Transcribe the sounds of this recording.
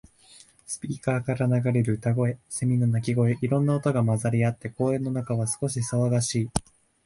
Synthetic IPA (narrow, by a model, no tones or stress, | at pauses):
sɨ̥pʲiːkaːkaɾanaɡaɾe̞ɾɯ̟t̪aɡo̞e̞semʲinonakʲiɡo̞eʔiɾõ̞nːaot̪o̞ɡamazaɾʲiat̪ːe̞ko̞ːẽ̞nːo̞nakaβasɨ̥ko̞ɕisaβaɡaɕiː